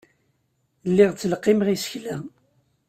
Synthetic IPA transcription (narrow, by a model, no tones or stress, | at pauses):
lːiʁt͡sːəlqːɪmʁisə̥çlæ